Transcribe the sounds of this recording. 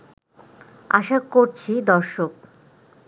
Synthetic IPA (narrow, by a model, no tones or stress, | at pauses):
a̰ʃakoɾt͡ɕʰid̪ɔɾʃok̚